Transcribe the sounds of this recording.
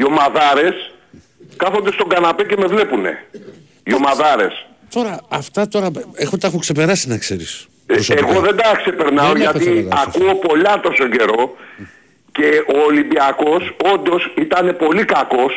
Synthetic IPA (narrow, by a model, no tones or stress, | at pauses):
io̞mɐðɐɾe̞s | kɐθo̞nd̪e̞st̪o̞ŋɡɐnape̞ce̞me̞vle̞pune̞̰ | io̞mɐðɐɾe̞̰s | t̪o̞ɾɐːft̪ɐt̪o̞ɾɐexot̪ɐexokse̞pe̞ɾɐsinɐkse̞ɾis | oseɣo̞ðe̞nd̪ɐkse̞pe̞ɾnɐoʝɐt̪iakuo̞po̞lɐt̪o̞so̞ɟe̞ɾo̞ | ce̞oːlimbiɐko̞so̞nd̪o̞sit̪ɐne̞po̞likɐko̞s